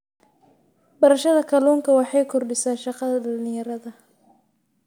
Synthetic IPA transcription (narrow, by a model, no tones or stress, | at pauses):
bɐɾɐʃɐðɐkʰɐlɔːŋkʰɐwɑħɑjkʰɔrɖɪsaːʃɑqɑðɐɖɐlnɪ̃jɐɾɐðɐ